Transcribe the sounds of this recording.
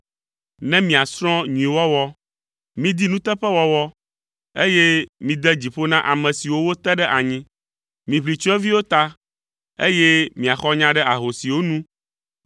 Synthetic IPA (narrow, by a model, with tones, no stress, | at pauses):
nɛ̃˦mĩ˨a˨sɾ̃ɔ̃˦ɲũ˨ĩ˨wɔ˦wɔ˦ | mĩ˦d̪i˦nũ˦t̪ɛ˦ɸɛ˦wɔ˦wɔ˦ | e˦jɛ˦mĩ˨d̪ɛ˦d͡ʑi˨ɸo˦nã˦ʔa˨mɛ̃˨si˨wo˦wo˦t̪ɛ˦ɖɛ˦ʔa˨ɲĩ˦ | mĩ˨βli˨t͡ʃɔ˦ɛ˦vi˦wo˦t̪a˦ | ḛ˦jɛ˦mĩ˨a˨xɔ˦ɲã˦ɖɛ˦ʔa˨ɦo˨si˨wo˦nũ˦